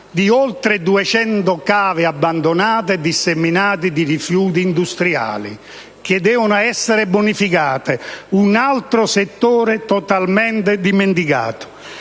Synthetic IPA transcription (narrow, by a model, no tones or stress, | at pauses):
d̪iolt̪ɾɪd̪uɛt͡ʃɛnt̪ʊkaːvɪabːand̪onaːt̪ɪd̪isemːinaːt̪̬id̪irifjuːt̪iːnd̪ust̪ɾia̰ːlḭ | k̟ɪd̪ːɛːvʊnʊɛsːɪɾɪbonifikaːt̪ɪunalt̪ɾʊset̪ːoːɾɪt̪ɔt̪almɛnt̪ɪd̪iment̪̬ika̰ːt̪ʊ̥